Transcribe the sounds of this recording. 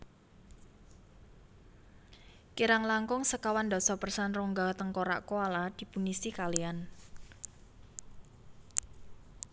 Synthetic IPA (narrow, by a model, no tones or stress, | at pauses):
kiɾaŋlaŋkɔŋsəkawand̪ɔ̤sɔpərsanrɔŋɡat̪əŋkoɾa̰ʔkoalad̪̥i̤punisikalian